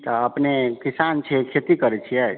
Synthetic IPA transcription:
t̪əəpnekisant͡ʃʰɛkʰet̪ikəɾɛt͡ʃʰijɛd͡ʒ

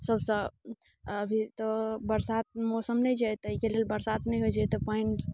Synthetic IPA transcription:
səbsə̃ | əbʱit̪ɔbəɾsat̪̚mɔsəmnəjd͡ʒajt̪ɔikelelbəɾsat̪nɛiɦod͡ʒajt̪ɔpɔiɳʈ

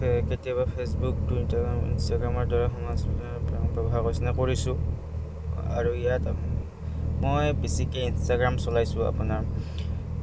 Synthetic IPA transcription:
ketijabapʰesbuktuitaɡamḭnstaɡɹamɔɹdaɹaxɔmasinaɹpapɹɔbʱakojsinakoɹisʊ̃ | a̰ɹuijata | mojbesikeinstaɡɹamsɔlajsʊ̃a̰punaɹ

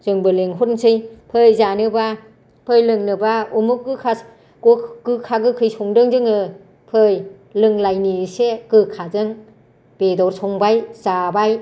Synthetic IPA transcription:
z̥ɯŋbɯleŋɦutnsɯjpʰɯjzanɯba | pʰɯjlɯŋnɯbaumuk̚ɡɯkʰa | ɡoɡɯkʰaɡɯkʰɯjsɔŋdɯŋzɯŋɯ | pʰɯj | lɯŋlajnisekɯkʰazɯŋ | b̥edɔɾsɔŋbajzabaj

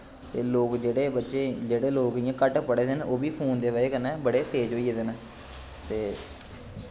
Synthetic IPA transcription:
t̪eːloːkd͡ʒeːɽeːbətːʃeːd͡ʒeːɽeːloːk̪ɪjãːkəʈpəɽeːsenoːbiːpʰoːnd̪eːʋəeːkənɛ̃ːbəɽeːt̪eːd͡ʒoːiːeːd̪en | t̪eː

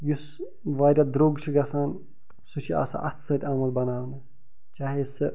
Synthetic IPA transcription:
jus | ʋaːɾʲad̪ɾoːɡt͡ʃʰiɡɐsaːn | sut͡ʃʰia̰ːsa̰ʔɐt̪ʰsɐt̪ʲaːmɐlbɐnaːʋnɐ | t͡ʃaːɦesɨ

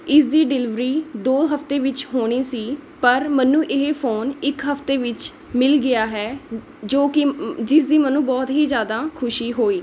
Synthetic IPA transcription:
ɪsd̪iːɖɪlɪʋɾiːd̪oːɦəfʰt̪eːʋɪt͡ʃɦoːɽ̃iːsiːpəɾmənũːʔɪɦepʰoːnɪkɦəft̪eːʋɪt͡ʃ | mɪlɡɪaːɦɛː | d͡ʒoːkɪd͡ʒɪsd̪iːmənũːbɔːt̪ɦiːzjaːd̪aːkʰʊʃiːɦoːiː

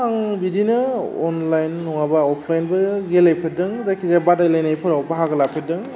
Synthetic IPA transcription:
aŋbidinɯɔnlajnːɔŋabaɔpʰlajnbɯɡelajpʰet̚dɯŋzakʰizabadajlajnajpʰɯɾawbaɦaɡɯlapʰedɯŋ

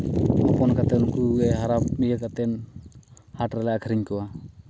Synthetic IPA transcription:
ɔpɔnkat̪ɛnkuɡɛɦaɾap̚mid͡ʒəkat̪ɛn | haʈɾɛlaʔakʰəɾiɲkɔwa

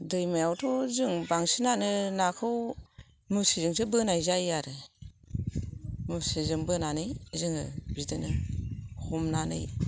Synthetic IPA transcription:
dɯjmajawtʰɔzɯŋbaŋsinanɯnakʰɯw | musizɯŋsʰɯbɯnajzajaɾɯ | musizɯŋbɯnanɯjzɯŋɯbidɯnɯ | hɔmnanɯ̰j

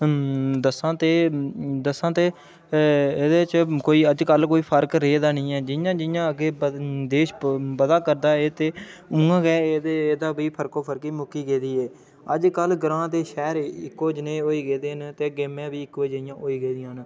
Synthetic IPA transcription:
d̪əsãːt̪eːd̪əsãːt̪eː | eːd̪eːt͡ʃkoːiːəd͡ʒkəlkoːiːpʰəɾkɾeːd̪aːnĩːɛːd͡ʒɪjãːd͡ʒɪjãːəɡeːd̪eːʃbəd̪aːkəɾd̪aːeːt̪eːʊ̃ŋɡãːɡɛːd̪eːd̪aːbiːpʰəɾkoːpʰəɾkiːmʊkiːɡeːd̪iːɛː | əd͡ʒkəlɡəɾãːt̪eːʃɛːɾɪkːoːd͡ʒnẽːoːiːɡeːd̪eːnt̪eːɡeːmẽːbiːɪkʋod͡ʒəɪjãːʔoːiːɡeːd̪ɪjãːn

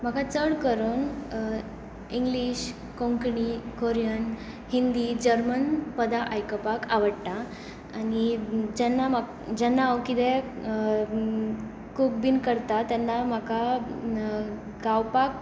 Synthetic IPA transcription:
m̤akat͡səɽkəɾon | ĩŋɡliɕ | kõŋkɳikoɾjan | hind̪id͡ʑəɾmənpəd̪aʔajkəpakaʋəɽʈ̪a | anid͡ʑɛnːam | d͡ʑɛnːaːwkid̪e | kuk̚binkəɾt̪at̪anːam̤aka | ɡawpak̚

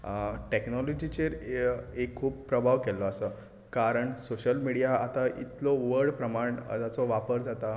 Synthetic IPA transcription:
ʈeknɔlɔd͡ʑit͡ɕeɾekʰːuːp̚pɾəbʱaʋkɛlɔəsə | kaɾəɳsoɕəlmiɽijaat̪aḭt̪lɔʋəɾɽpɾəmaɳə̰d͡zat͡sɔʋapəɾd͡zat̪a

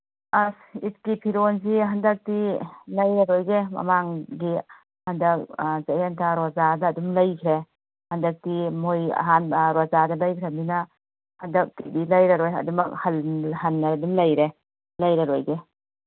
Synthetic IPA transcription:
asit̚kipʰiɾons̬iɦandɐk̚tilɐjɾɐɾojɡemɐ̰maŋɡi | hɐndɐk̚zajentʰaɾɔzadɐːdumlɐjkʰɾe | hɐndɐk̚timoj̰ɦanɾazadɐlɐjkʰɾeminɐ | hɐndɐk̚tidilɐjɾɐɾojɐ̰dumɐk̚halɦanːadumlɐjɾe | lɐjɾaɾojɡe

